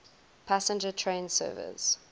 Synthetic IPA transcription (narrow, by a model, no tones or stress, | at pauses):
pʰasə̃nd͡ʒətʰɹẽɪ̃nsɜ̰ːvɪ̰s